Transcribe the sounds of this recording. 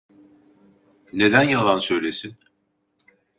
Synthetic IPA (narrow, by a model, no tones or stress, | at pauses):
ne̞d̪ænjalˠansø̞jlʲe̞sin